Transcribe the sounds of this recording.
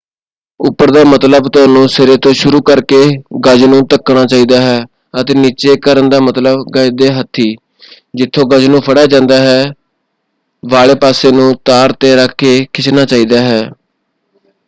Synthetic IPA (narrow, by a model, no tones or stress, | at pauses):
ʊpːəɾd̪aːmət̪ləbt̪ʊaːnũːsɪɾeːt̪õːʃʊɾuːkəɾkeːɡəd͡ʒnũːt̪əkːɳaːt͡ʃaːiːd̪aːɦɛː | ət̪eːniːt͡ʃeːkəɾənd̪aːmət̪ləbɡəd͡ʒd̪eːɦət̪ʰːiː | d͡ʒɪt̪ʰːõːɡəd͡ʒnũːpʰəɽaːd͡ʒãːnd̪aːɦɛː | ʋaːɭeːpaːseːnũːt̪aːɾt̪eːɾəkʰːeːkʰɪt͡ʃnaːt͡ʃaːiːd̪aːɦɛː